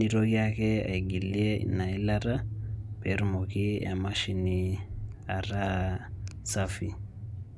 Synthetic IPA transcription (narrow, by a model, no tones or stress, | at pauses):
iɾokiakɛa̰iɡilieḭnailaɾapeɾmokiamaʃini | aɾa | safi